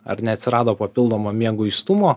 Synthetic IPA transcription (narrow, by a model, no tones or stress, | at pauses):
ɐ̰ɾnʲɛɐt̪ʲsʲɪɾɑːd̪oːpɐpʲɪlˠd̪oːmoːmʲiɛɡʊɪst̪ʊmoː